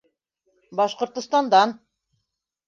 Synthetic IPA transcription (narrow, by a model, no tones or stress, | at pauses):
bɑʃqŏɾt̪ŏst̪ɑnd̪ɑn